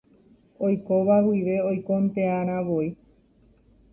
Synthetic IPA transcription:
ojkoʋawiʋe̞ojkont̪e̞aɾ̃ãʋoi

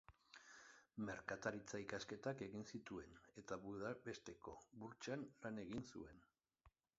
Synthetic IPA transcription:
me̞ɾkat̪aɾit͡saikaske̞t̪ake̞ɣinsit̪ue̞ne̞t̪aβuðabe̞st̪e̞ko̞βuɾt͡ʃanlane̞ɣinsṵe̞n

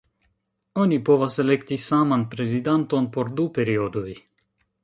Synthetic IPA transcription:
o̞nipo̞vase̞le̞ktisamanpɾe̞zidant̪o̞npo̞ɾdupe̞ɾio̞do̞j

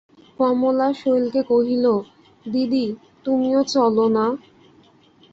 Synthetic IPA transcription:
kɔmolaʃojlkekoɦilo | d̪id̪i | t̪umiot͡ɕɔlona

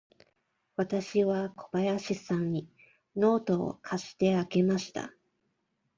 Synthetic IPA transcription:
βat̪aɕiβakʰo̞b̥ajaɕisãɲ̟ɲi | no̞ːt̪o̞̰ːkʰaɕi̥t̪e̞ake̞maɕi̥t̪a̰

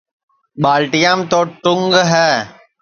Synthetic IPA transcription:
ɓaːlʈɪjãːmt̪oːʈʊŋɡɦɛː

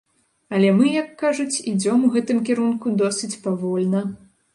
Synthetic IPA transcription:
ɐlʲɛmɨjɐkːaʐut͡sʲid͡zʲɔmuɣɛt̪ɨmkʲɛɾunkud̪ɔsɨt͡sʲpavɔlʲnɐ

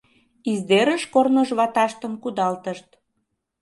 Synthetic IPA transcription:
izd̪eɾəʃkornoʒβɑt̪ɑʃt̪əmkud̪ɑlt̪əʃt̪

